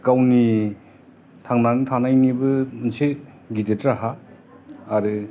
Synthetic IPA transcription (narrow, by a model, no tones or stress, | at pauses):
kawni | tʰaŋnanɯtʰanajnibɯmɯnsi | ɡitetɾaɦaː | ɾɯ